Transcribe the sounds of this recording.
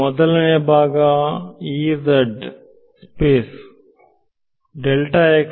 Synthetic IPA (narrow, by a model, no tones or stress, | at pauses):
ɔd̪ɐlɐneːbʱaːɡaːiːd̪ɐɖ | speːs | ɖelʈaːeːk